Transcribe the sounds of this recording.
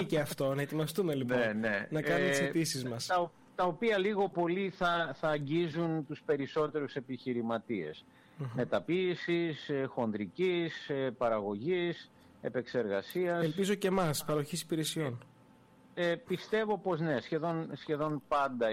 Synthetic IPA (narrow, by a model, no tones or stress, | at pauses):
iceɐft̪onɐet̪imɐst̪umelipnenenɐkɐnumsit̪isizmɐstɐo | t̪ɐopiɐliɣo̞po̞liθɐθɐːɲɟizunt̪uspe̞ɾiso̞t̪e̞ɾuse̞piçiɾimɐt̪ie̞̰s | me̞t̪ɐpiːsisxo̞nd̪ɾicisepɐɾɐɣo̞ʝis | e̞pe̞kse̞ɾɣɐ̰siɐselpizo̞ce̞mɐspɐɾo̞çisi̥piɾesio̞n | epist̪e̞vo̞po̞zne̞sçe̞ðo̞nsçe̞ðo̞npɐnd̪ɐ